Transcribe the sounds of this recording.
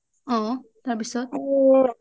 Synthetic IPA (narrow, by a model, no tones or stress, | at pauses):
ɔ̃t̪aɹpisɔt̪̚